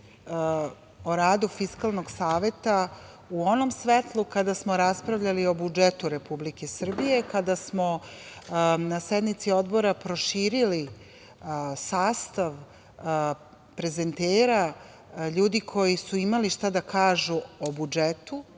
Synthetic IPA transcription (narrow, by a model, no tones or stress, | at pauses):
oɾaːd̪ufiskalˠnoɡsaːʋe̞t̪a | uo̞no̞msʋet̪lˠukad̪asmo̞ɾaspɾavʎalio̞bud͡ʒet̪uɾe̞publike̞sr̩bije̞kad̪asmo̞ | nased̪mit̪sio̞d̪bo̞ɾapɾo̞ʃiːɾili | saːst̪aʋ | pɾe̞ze̞nt̪eːɾa | ʎuːd̪ikʰo̞jisuimaliʃt̪ad̪akʰaːʒuobud͡ʒet̪u